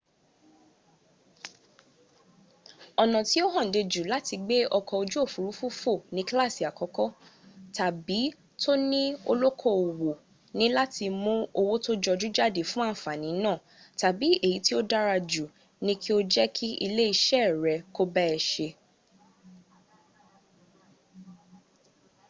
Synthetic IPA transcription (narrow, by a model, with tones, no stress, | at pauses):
ɔ˧nɔ̃˨ti˨˦o˦ɦɔ̃˦˨n̩˨de˧d͡ʒu˨la˦ti˧ɡ͡be˦ɔ˧kɔ˧o˧d͡ʒu˦o˦˨fu˨ɾu˨˦fu˦fo˦˨nĩ˦kla˦˨si˨a˨kɔ˨˦kɔ˦ta˨bi˨˦ | to˦nĩ˦o˧lo˦kʰɔ˦˨o˨wo˨ | nĩ˦la˦ti˧mũ˦o˧wo˦to˦d͡ʒɔ˧d͡ʒu˦d͡ʒa˦˨de˦˨fũ˦a˦˨fa˨nĩ˨˦nãː˦˨ | ta˨bi˨˦e˦˨ji˨˦ti˦o˦da˦ɾa˧d͡ʒu˨ | nĩ˦ki˦o˦d͡ʒɛ˦kʰi˦ʔi˧le˦i˧ʃɛ˦˨ɾɛ˨˦ko˦bɛ˦ɛ˧˨ʃe˧